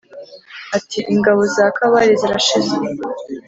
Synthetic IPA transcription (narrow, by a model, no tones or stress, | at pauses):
atiʔiŋɡaβo̞zaːkaβaɾiziɾaʃize